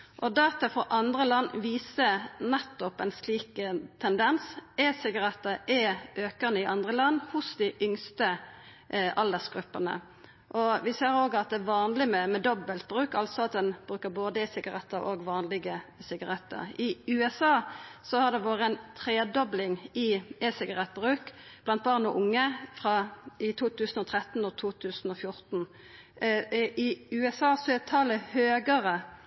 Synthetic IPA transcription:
ʔɔd̪ɑːt̪ɑfɔʔɑnd̪ʁəlɑnːʋiːsənɛt̪ːɔpɛnsliːkt̪ʰɛnd̪ɛnsɛsɪɡɑɾɛt̪ːəʔɛʔøːkɑnəɪʔɑnd̪ʁəlɑnːhʊsd̪ɪʔʏŋst̪ə | ʔɑld̪əsɡɾʉpːənə̰ | ʔɔʋɪseːɾoːɡɑt̪̚d̪ɛæʋɑːnlɪmɛmɛd̪ɔbəlt̪̚bɾʉːkɑlt̪sɔɑt̪̚d̪ɛnb̥ʁʉːkəɾboːd̪əɛsɪɡɑʁɛt̪ʰːəɾoɡʋɑːnlɪɡəsɪɡɑʁɛt̪ʰːə̰ʁɪʉːɛsɑːsɔhɑd̪ɛʋoːʁəɛnt̪ʰʁeːd̪ɔblɪŋɪɛsɪɡɑʁɛt̪̚ːbʁʉːkb̥lɑnt̪̚bɑʁnɔʔʊŋːəfʁɑɪt̪ʰuːt̪ʰʉːsn̩ɔt̪ʰʁɛt̪ːn̩ɔt̪ʰuːt̪ʰʉːsn̩ɔfjʊɾt̪n̩ | ʔɪʉːɛsɑːsɔɛt̪ʰɑːləhøːɡəʁə

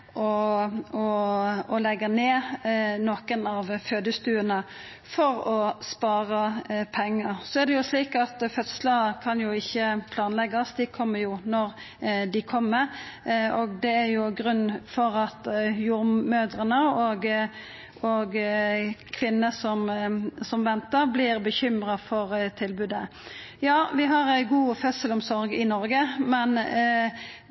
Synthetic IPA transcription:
ʔɔɔɔlɛɡːəneːnɔkənɑʋføːd̪əst̪ʉːənə | fɔɾɔspɑːʁəpʰɛŋːəɾsɔæd̪ɛjʊʂliːkɑt̪fœt̪sləkʰɑnjʊɪçːəpʰlɑːnlɛɡɑsd̪ɪkʰɔmːəɾjʊnɔɾ | d̪ɪkʰɔmːəɾɔɡ̚d̪ɛæɾjʊɡɾʉnːfɔɾɑt̪juːɾmøːd̪ɾənəoɡ | oːɡ | kʰʋɪnːəsɔmsɔmʋɛnt̪əɾblɪʁbəçʏmʁɑfɔʁt̪ʰɪlbʉd̪ə | jɑːʋɪɦɑɾæɪɡuːfœt̪səlɔmsɔɾɡɪnɔɾɡəmɛn

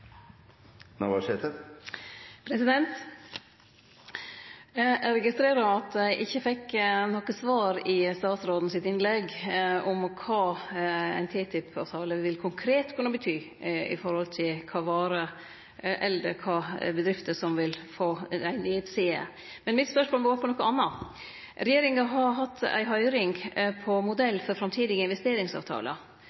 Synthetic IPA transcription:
nɑ̰ʋɑʂeːt̪ə | pʰɾɛsɪd̪ɛnt̪ | ɾɛɡɪst̪ɾeːɾɑɑt̪æɪʔɪçːəfɛkːnɔkəsʋɑːɾɪst̪ɑːt̪sɾoːd̪nəsɪt̪ɪnlɛɡʔɔmkʰɑːæ̰ɪnt̪ʰiːt̪ʰɪpʰɑʋt̪ʰɑːləʋɪlkʰʊŋkʰɾeːt̪kʰʉnːəbət̪ʰyː | ɪ̰fɔɾhɔlt̪ʰɪlkʰɑːʋɑːɾə | ʔɛlːə̰ɾkʰɑːbəd̪ɾɪft̪əsɔmʋɪlfoːæɪnitseːə̰ | mɛnmɪt̪spœʂmoːlmɛɡoːɾpɔnɔkːəɑnːɑ | ɾɛjeːɾɪŋɑɦɑɾɦɑt̪ʰːæ̰ɪɦœʏɾɪŋpʰɔmʊd̪ɛlːfɔɾfɾɑmt̪ʰiːd̪ɪɡəɪnʋɛst̪eːɾɪŋsɑ̰ʋt̪ʰɑ̰ːlə̰

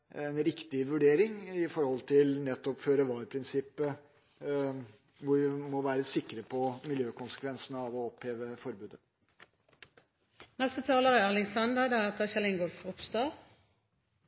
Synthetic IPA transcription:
ɛnɾɪkt̪ɪʋʉɖeːɾɪŋɪfɔɾhɔlt̪ʰɪlnɛt̪ːɔpføːɾəʋɑːɾpʰɾɪnsɪpːə | ʋʊɾʋɪmɔʋæːɾəsɪkɾəpʰɔmɪljøːkʊnsə̥kʋɛnsənəɑʋɔɔpheːʋəfɔɾbʉːd̪ə | nɛst̪ət̪ʰɑːləʁəælɪŋsɑnd̪əd̪ɑæt̪ʰəçɛlɪŋɡoɾfʊpst̪ɑː

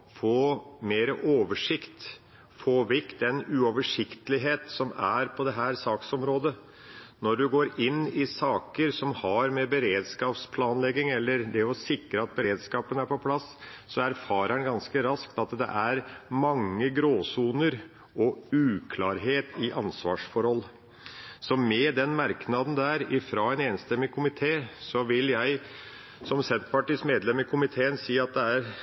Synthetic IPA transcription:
foːmeːɾəʔoːʋəʂɪkt̪ | foːʋɪk̪d̪ɛnʉɔʋəʂɪkt̪əlɪɦeːt̪sɔmæ̰ɾpʰɔd̪ɛɦæːɾsɑːksɔmɾoːd̪ə | nɔɖʉɡoːɾɪnːɪsɑːkəɾsɔmhɑɾmɛbəɾeːd̪skɑːpspʰlɑːnlɛɡːɪŋɛlːəɾd̪ɛɔsɪkɾəɑt̪̚bəɾeːd̪skɑːpənəæɾpɔpʰlɑssɔæɾfɑːɾænɡɑnskəɾɑskt̪ɑt̪d̪ɛ̰ʔæɾmɑŋːəɡɾoːsuːnəɾ | ɔʉːkʰlɑːɾɦeːt̪ɪʔɑnsʋɑ̰ːʂfɔɾhɔlː | sɔmɛd̪ɛnmɑɾknɑd̪n̩d̪æɾɪfɾɑːɛneːnst̪ɛmːɪkʰʊmɪt̪ʰeːsɔʋɪljæɪ | sɔmsɛnt̪pɑʈiːsmeːd̪lɛmɪkʰʊmɪt̪ʰeːənsiːɑt̪̚d̪ɛæɾ

